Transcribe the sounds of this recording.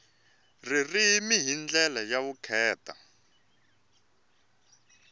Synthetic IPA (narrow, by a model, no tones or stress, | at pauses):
ririmiɦind͡ɮɛlajaβukʰɛːta̰